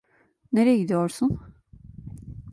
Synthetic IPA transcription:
neɾɛɟid̪ijoɾsun

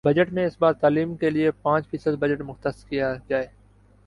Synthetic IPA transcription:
bɐd͡ʒəʈmẽɪsbaːt̪ːaːliːmkeliepãːt͡ʃfʰiːsəd̪̚bɐd͡ʒəʈmʊxt̪əskijad͡ʒaːeː

